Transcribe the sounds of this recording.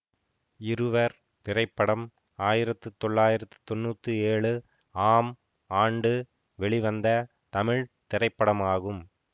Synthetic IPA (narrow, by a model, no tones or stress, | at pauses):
ɪɾɯʋɐɾ | t̪ɪɾɐɪpːɐɽɐm | aːjɪɾɐt̪ːɯt̪ːɔɭːaːjɪɾɐt̪ːɯ̥t̪ɔnːuːt̪ːɯeːɭɯ | aːm | aːɳɖɯ | ʋɛɭɪiʋɐnd̪ɐ | t̪ɐmɪɻt̪ɪɾɐɪpːɐɽɐmaːɣɯm